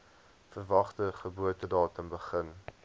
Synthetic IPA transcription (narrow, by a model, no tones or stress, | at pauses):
fərvɐχtəχəbuətədɑːtənbəχən